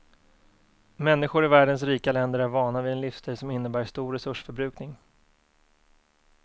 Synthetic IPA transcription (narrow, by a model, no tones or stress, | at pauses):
mɛnːɪɧʊɾɪvæːɖəns̬ɾiːkalɛnd̪əɾæɾvɑːɳavɪɛnlɪfst̪ʰijsɔmɪnːəbæːʂt̪uːɾɛsɵʂfœɾbɾʉ̟ːknɪŋ